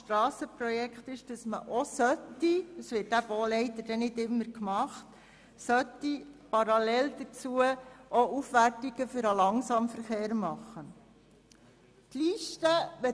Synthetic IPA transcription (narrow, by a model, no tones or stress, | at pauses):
ʃtɾɑːsəpɾɔjɛkχt̪ɪʃd̥ɑsmə̰ʔɔsœt̪ːiəsʋɪt̚dæb̥oːlɛɪt̪ədɛnɪdɪmːəɾkmɑχt | sœt̪ːipɑɾɑlɛld̥̪ət͡suəʔɔʔufʋærtiɡ̥əfʏɾəlɑŋsɑmfəɾχeːɾmɑχːə | t̪liʃtəʋɛ